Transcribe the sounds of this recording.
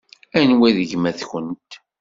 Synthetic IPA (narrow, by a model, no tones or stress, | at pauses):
ænwæðəʝmæθçənt̪